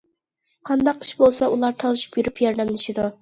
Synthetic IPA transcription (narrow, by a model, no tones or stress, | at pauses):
qʰɑnd̪ɑqi̥ʃbolˠsɑulˠɑɾt̪ʰɑlˠɨʃu̥pjyɾypʰjɑɾd̪ɛmlˠɨʃid̪u